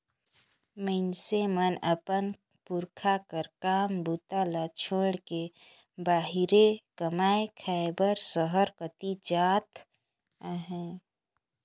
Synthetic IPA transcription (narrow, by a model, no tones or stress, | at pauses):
məɪnsemənəpən | puɾkʰakəɾkaːmbut̪alat͡ʃʰoːɽke | baːɦiɾekəmaːekʰɛːbəɾsəɦəɾkət̪id͡ʒaːt̪ | aɦɛ̃ː